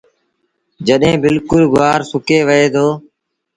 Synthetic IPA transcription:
d͡ʒəɗɦẽːbɪlkʊlɡʊʋaːɾsʊkeːʋəeːt̪ʰoː

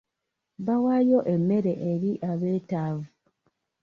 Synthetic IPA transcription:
βawajo̞ʔe̞mːe̞ɾe̞ʔeɾiʔaβe̞ːtaːvu

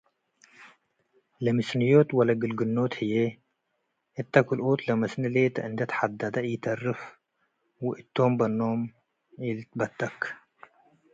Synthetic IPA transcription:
lɐmɨsnɨjot̪wɐlɐɡɨlɡɨnːo̞t̪hɨje | ʔɨt̪ʰːɐkʰulʔot̪lɐmɐsnɨlet̪ʰɐʔɨnd̪ɐt̪ħad̪ad̪ɐjɪt̪ʰɐrɨf | wʊʔɨt̪ʰːo̞mbɐnːo̞m | ilbɐt̪ʰːɐk

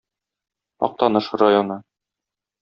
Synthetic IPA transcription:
ɒ̰q̚t̪ɑnɤʃɤɾajonɤ

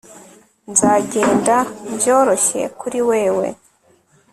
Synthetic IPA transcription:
nzaːɟe̞ːndabjo̞ːɾo̞çe̞̰kuɾiwe̞ːwe̞̰

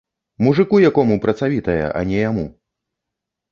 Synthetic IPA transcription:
muʐɨkujakɔmupɾɐt̪savʲit̪ɐjɐ̰ʔɐ̰nʲɛjamṵ

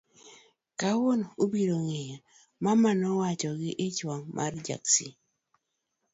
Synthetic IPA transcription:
kawonobiɾoŋeja | mamanɔwat͡ʃɔɡɪʔɪt͡ʃwaŋmʔa̰rd͡ʒa̰ksi

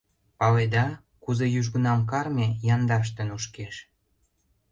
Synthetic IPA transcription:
pɑled̪ɑ | kuzejyʒɣə̆nɑmkɑrmejɑnd̪ɑʃ̬t̪ə̆nuʃkeʃ

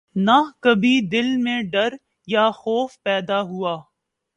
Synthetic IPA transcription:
nakɐbʱid̪ɪlmẽɖɐɾ | jaxɔːfpɛːd̪aɦuaː

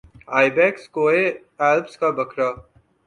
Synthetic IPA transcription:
aːibɛːkskoːe | aːlpskabɐkʰɾaː

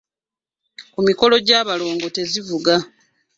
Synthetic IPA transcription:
kumiko̞lo̞ɟaːβalo̞ːŋɡo̞te̞zivuɡa

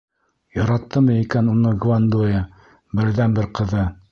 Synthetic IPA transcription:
jɑ̆ɾɑt̪ːɤmɤikænunɤɡvand̪ujɤ | bɘ̆ɾðænbɘɾqɤ̆ðɤ

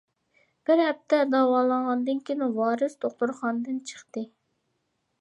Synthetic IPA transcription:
b̥ɪɾhɛp̚t̪ʰɛd̪ɑwɑːlˠəɴʁɑnd̪ɨnkʲinuwɑːɾɨst̪ʰoχt̪uɾχɑnd̪ɨnt͡ʃʰə̥χt̪ɨ

